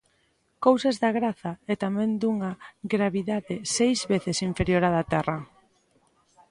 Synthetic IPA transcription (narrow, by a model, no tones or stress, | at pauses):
kowsazðaɣɾaθaɛt̪amɛ̃nd̪uŋaɡɾaβiðaðɪsejzβeθɪsiɱfeɾjoɾaðat̪ɛrɐ